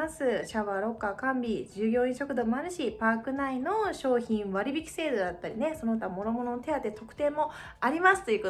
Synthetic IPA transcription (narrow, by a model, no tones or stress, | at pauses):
asɨɕaβaɾo̞kːakãmbʲid͡ʑɨːɡʲo̞ːĩɰ̃ɕo̞kɯ̟d̪o̞manɯɕipaːkɯ̟naino̞ɕo̞ːçĩɰ̃βaɾʲibʲikʲi̥se̞ːd̪od̪at̪ːaɾʲine̞so̞noɯt̪amo̞no̞mo̞no̞not̪eat̪ːet̪o̞kɯ̟̥t̪ẽ̞ːmːo̞ | aɾʲimasɨ̥t̪o̞jiɯ̟ko